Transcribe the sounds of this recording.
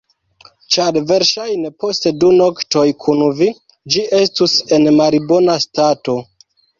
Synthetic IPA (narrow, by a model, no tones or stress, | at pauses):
t͡ʃaɾve̞ɾʃajne̞po̞steduno̞kto̞jkʰunvi | d͡ʒiʔe̞stuse̞nmaɾibo̞nastato̞